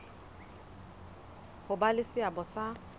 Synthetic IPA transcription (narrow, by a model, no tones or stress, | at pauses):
hʊbalɪsɪabɔsa